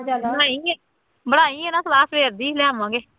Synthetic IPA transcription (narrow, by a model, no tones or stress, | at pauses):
bəɽaːiːɛː | bəɽaːiːɛːnaːsəlaːsbeːɾd̪iːlɛːmãːɡeː